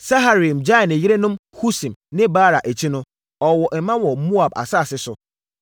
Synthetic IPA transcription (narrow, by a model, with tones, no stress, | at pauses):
sa˦ɦa˦ɾi˨md͡ʑa˦˨nɪ˨jɪ˦ɾe˦nʊ̃˦mhu˦sĩ˨mnɪ̃˦baː˦ɾa˨ʔe˨t͡ɕʰĩ˦nʊ̃˦ | ɔ˨wɔ˨ʔɛ˨mã˦wɔ˨˦mu˦a˨ba̰˨sa˦˨sɪ˦sʊ˨